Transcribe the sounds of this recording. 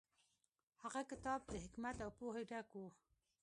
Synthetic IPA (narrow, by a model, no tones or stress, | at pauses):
haɣakɪt̪ɑb̚d̪əɦɪkmat̪awpoɦeɖako